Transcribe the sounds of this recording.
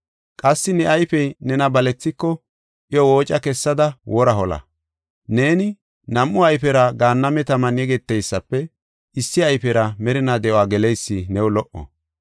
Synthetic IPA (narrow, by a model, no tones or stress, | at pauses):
kʼɐsːɪnɛʔɐjfɛjnɛnɐbɐlɛt͡sːɪkːɔ | ʔɪjɔwo̞ːt͡ʃʼɐkɛsːɐd̪ɐwʔɔɾɐɦɔlɐ̰ | ne̞ːnɪ | nɐmʔʊɐjfɛɾɐɡaːnːɐmɛt̪ɐmɐnjɛɡɛt̪ːɛjsːɐpːɛ | ʔɪsːɪɐjfɛɾɐmɛɾɪnad̪ɛʔɔwaːɡɛlɛjsːɪnɛwʊlɔʔɔ̰